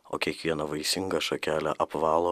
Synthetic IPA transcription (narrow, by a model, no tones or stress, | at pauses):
o̰ːkʲiɛkʋʲiɛnɐʋɐɪsʲɪŋɡɐʃokʲæːlʲɛʔɐpʋɑːlˠoː